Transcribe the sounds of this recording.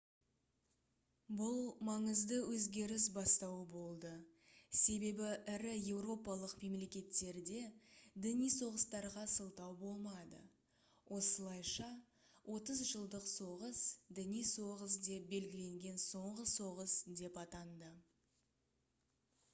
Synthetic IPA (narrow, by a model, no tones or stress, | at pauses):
bʊlˠmɑɴəzd̪əwɵzɡʲe̞ɾɪs̬bɑst̪ɑwəbo̞lˠd̪əse̞be̞bɪʔɪɾɪje̞wɾo̞pɑlˠəqme̞mle̞kʲe̞t̪ːe̞ɾd̪e̞d̪ɪnijso̞ʁəst̪ɑɾʁɑsəlˠt̪ɑwbo̞lˠmɑd̪ə̰ | wʔo̞səlˠɑjʃɑ | wʔo̞t̪əzʒəlˠd̪əqso̞ʁəsd̪ɪnijso̞ʁəs̬d̪e̞p̚be̞lɡʲɪle̞ŋɡʲe̞nso̞ɴʁəso̞ʁəsd̪e̞pɑt̪ɑnd̪ə